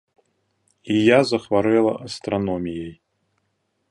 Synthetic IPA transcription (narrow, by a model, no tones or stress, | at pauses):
ijazɐxvaɾɛlˠɐ̰ʔɐst̪ɾanɔmʲijej